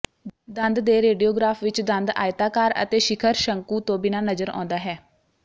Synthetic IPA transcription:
d̪ənd̪d̪eːɾeːɖiːoːɡɾaːfʰʋɪt͡ʃd̪ənd̪a̰ːjɪt̪aːkaːɾə̰t̪eːʃɪkʰəɾʃəŋkuːt̪õːbɪnaːnəzəɾɔ̰ːnd̪aːɦɛː

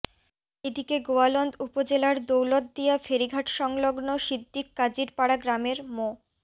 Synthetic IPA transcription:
ed̪ikeɡoalɔnd̪upod͡ʑelaɾd̪owlod̪̚d̪ijafeɾiɡʱaʈʃɔŋloɡnoʃid̪ːikːad͡ʑiɾpaɽaɡɾameɾmo

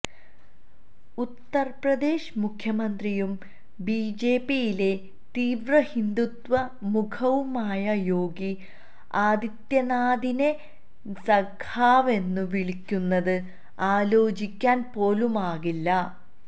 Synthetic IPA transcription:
ut̪ːɐrprɐd̪e̞ːɕmukʰjɐmɐnd̪rijum | biːd͡ʑe̞ːpːijile̞ | t̪iːʋrɐhind̪ut̪ʋɐ | mukʰɐʋumaːjɐjo̞ːɡi | aːd̪it̪jɐnaːd̪ine̞ | sɐɡʰaːʋe̞nːuʋiɭikʲːunːɐðɨ | aːlo̞ːd͡ʑikʲːaːnpo̞ːlumaːɣilːɐ

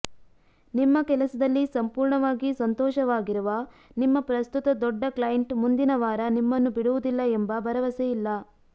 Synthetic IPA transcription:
nimːɐkɛlɐsɐd̪ɐlːisɐmpuːɾɳɐʋaːɡisɐnt̪ɔːʃɐʋaːɡiɾuʋɐ | nimːɐpɾɐst̪ut̪ɐd̪ɔɖːɐklɐjɐɳʈmund̪inɐʋaːɾɐnimːɐnːubiɽuʋud̪ilːɐembɐbɐɾɐʋɐsejilːɐ

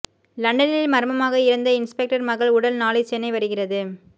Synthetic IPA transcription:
lɐɳɖɐnɪlmɐɾɯmɐmaːɣɐɪɾɐnd̪ɐɪnspɛk̚ʈɐɾmɐɣɐɭʊɽɐlnaːɭɐɪt͡ʃɛnːɐɪʋɐɾɯɣɪrɐðɯ

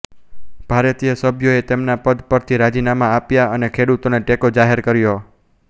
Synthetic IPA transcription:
b̥ʱaɾət̪ijəsəbʱjoet̪emnapəd̪pəɾt̪ʰiɾad͡ʒinamãːpjaənekʰeɽut̪oneʈekod͡ʒaɦeɾkəɾjo

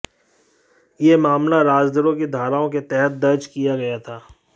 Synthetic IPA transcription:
jemaːmlaɾaːd͡ʒd̪əɾõked̪ʱaːɾaːõket̪ɛɦət̪̚d̪ɐɾd͡ʒkijaɡɐjat̪ʰaː

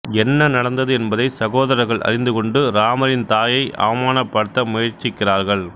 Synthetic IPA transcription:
ɛnːɐnɐɽɐnd̪ɐðɯɛnbɐðɐɪsɐɣoːðɐɾɐɾɣɐɭʔɐ̰rɪnd̪ɯkɔɳɖɯɾaːmɐɾɪnt̪aːjɐɪʔɐ̰ʋɐmaːnɐpːɐɽɯt̪ːɐmʊjɐɾt͡ʃɪkːɪraːɾɣɐɭ

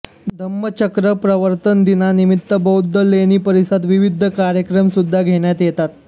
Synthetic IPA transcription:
d̪ʱəmːət͡ɕəkɾəpɾəʋəɾt̪ənd̪inanimit̪ːəbəwd̪ʱːəlːeñiːpəɾisət̪ʋiʋid̪ʱəkaɾjəkɾəmsud̪ʱːaɡʱeɳjat̪jet̪at̪

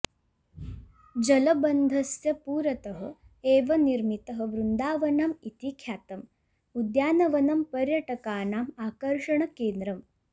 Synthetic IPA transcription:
d͡ʒɐlɐbɐnd̪ʱɐsjɐpuːɾɐt̪ɐɦɐ̆ | eːʋɐniɾmit̪ɐɦɐ̆ʋɾund̪aːʋɐnamit̪ikʰjaːt̪ɐm | ud̪jaːnɐʋɐnɐmpɐɾjɐʈɐkaːnaːmaːkɐɾʂɐɳɐkeːnd̪ɾɐm

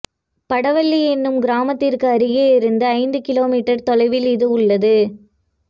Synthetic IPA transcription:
pɐɽɐʋɐɭːiɛnːɯmɡɪɾaːmɐt̪ːɪrkɯɐɾɯɣeːɪɾɯnd̪ɐːɪnd̪ɯkɪloːmiːʈːɐɾt̪ɔlɐɪʋɪlɪðɯʊɭːɐðɯ

